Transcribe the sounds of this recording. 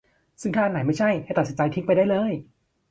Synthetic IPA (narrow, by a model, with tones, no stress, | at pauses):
sɯ˥˩ŋt̪ʰaː˥˩ʔnːa˩˦jma˥˩jt͡ɕʰa˥˩jːt̪t̪snt͡ɕa˧jt̪ʰi˦˥k̚pa˧jdaː˥˩jlɤː˧j